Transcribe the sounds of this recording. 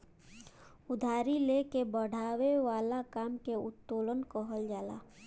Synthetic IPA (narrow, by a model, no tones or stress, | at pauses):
ʊd̪ʱaːɾilekebəɽ̤ʱaːweʋaːlakaːmkeʊt̪ːoːlənkoɦəld͡ʒaːla̰ː